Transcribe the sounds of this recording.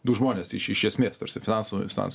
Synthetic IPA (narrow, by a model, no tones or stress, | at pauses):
d̪ʊʒmoːnʲeːsɪʃɪʃʲɛsʲmʲeːst̪ɐɾʲsʲɪfʲɪnɑnsufʲɪnɑ̰ns